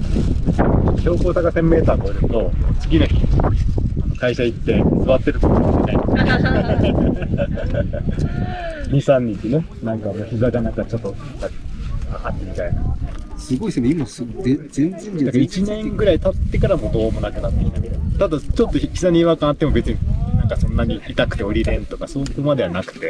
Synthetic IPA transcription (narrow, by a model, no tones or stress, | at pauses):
t͡ɕot̪ːoçʲo̞ːkoːsakasẽ̞mːe̞ːt̪aːɡoiɾɯ̟t̪o̞t͡sɨɡʲinoçʲi | aokaiɕait̪ːe̞sɨβat̪ːe̞ɾɯ̟t̪ot̪oenait̪ː | ɲʲisãɲːĩɲt͡ɕine | nãŋkanoçizadanãŋkat͡ɕo̞t̪ːoḁaat̪ːemʲit̪ainaesɨɡo̞isneimasɨe | ẽnzẽnd̪akait͡ɕinẽ̞ŋɡɯ̟ɾait̪at̪ːe̞kaɾamo̞d̪o̞ːmo̞nakɯ̟nat̪ːeĩnd̪aked̪ot̪ad̪at͡ɕo̞t̪ːoçizaɲ̟ʲiβakãat̪ːemo̞be̞t͡sɨɲ̟inãŋkasõ̞nːaɲ̟iit̪akɯ̟t̪e̞o̞ɾʲiɾẽ̞nt̪o̞kasoːkomad̪e̞βanakɯ̟̥t̪e̞